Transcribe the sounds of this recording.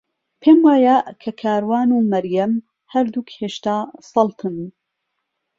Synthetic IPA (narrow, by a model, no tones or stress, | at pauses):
pʰeːmwaːjɐkʰɐkʰaːɾwaːnuːmɐɾjɐm | hɐɾd̪ukheːʃt̪aːsɑlt̪ʰɨn